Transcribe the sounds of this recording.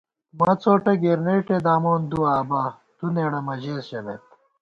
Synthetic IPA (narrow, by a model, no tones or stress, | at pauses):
mɐt͡soːʈɐɡiɾneːʈed̪aːmoːnd̪uaːbaː | t̪uneːɽɐmɐʑeːsɕɐmḛt̪̚